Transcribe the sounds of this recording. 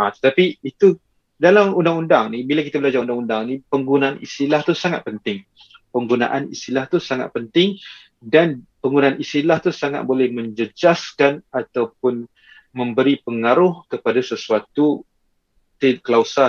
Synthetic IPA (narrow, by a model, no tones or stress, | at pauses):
at̪ə̥t̪apiit̪u | dalamundaŋundaŋnibilakit̪abəlad͡ʒaundaŋundaŋnipəŋɡunaʔanist̪ilaht̪usaŋat̪̚pənt̪ɪŋ | pəŋɡuna̰ʔanḭst̪ilaht̪usaŋa̰t̪̚pənt̪ɪŋ | danpəŋɡunaanist̪ilaht̪usaŋa̰t̪̚bolɛhmə̃ɲd͡ʒəd͡ʒaskanat̪awpʊn | mə̃mbəɾipəŋaɾʊhkəpadasəsuat̪u | t̪ekəlausa